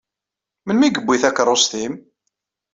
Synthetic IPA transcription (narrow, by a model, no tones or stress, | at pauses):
mənmiɡəbːiθækːəɾˤost̪im